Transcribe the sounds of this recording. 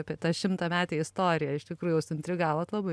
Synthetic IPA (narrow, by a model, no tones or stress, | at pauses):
ɑpʲiɛt̪ɑːʃʲɪmt̪ɐmʲæːt̪ʲeɪɪst̪oːɾʲɪjɛɪʃt̪ʲɪkɾuːjʊjɛʊsʊɪnʲt̪ʲɾʲɪɡɑːʋoːt̪lˠɐbɐɪ